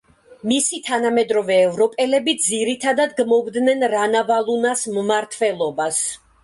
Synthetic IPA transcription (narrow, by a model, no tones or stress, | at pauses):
misit̪ʰanamɛd̪ɾɔvɛːvɾɔpʼɛlɛbid̪ziɾit̪ʰad̪ad̪ɡmɔbd̪nɛnɾanavalˠunasmmaɾt̪ʰvɛlˠɔbas